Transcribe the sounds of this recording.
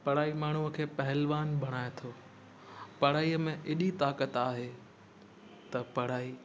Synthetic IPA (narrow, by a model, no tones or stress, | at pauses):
pɐɽ̤aːimaːɳ̤uəkʰeːpɐɦɪlʋaːnbʱɐɽ̃aːet̪ʰoː | pɐɽaːiːəmẽʔɪɗit̪aːkət̪aːɦe | t̪ɐpɐɽ̤aːiː